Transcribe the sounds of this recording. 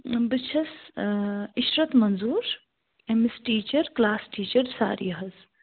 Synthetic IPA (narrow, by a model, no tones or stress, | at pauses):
bit͡ʃʰɐs | iʃɾɐt̪mɐnzuːɾ | emisʈiːt͡ʃɐɾklaːsʈiːt͡ʃəɾsa̰ːɾḭɦɐz